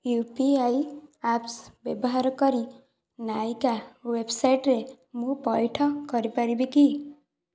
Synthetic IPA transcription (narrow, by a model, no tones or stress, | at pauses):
jupiajapsbjebɔɦaɾkʌɾi | najkawebsajʈɾe | mũpɔjʈʰɔkʌɾipaɾibiki